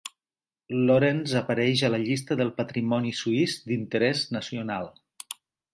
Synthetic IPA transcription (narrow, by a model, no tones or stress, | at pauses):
loɾenzəpəɾɛʒələʎist̪əðəlˠpət̪ɾimɔnisuizd̪int̪əɾɛznəsiunalˠ